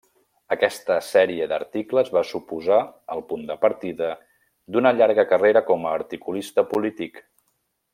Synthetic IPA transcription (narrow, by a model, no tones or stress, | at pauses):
əkɛst̪əsɛɾiəd̪ə̰ɾt̪ikləzβasupuzaəlˠpund̪əpəɾt̪iðə | d̪unəʎaɾɣəkəreɾəkɔməːɾt̪ikulist̪əpulit̪ik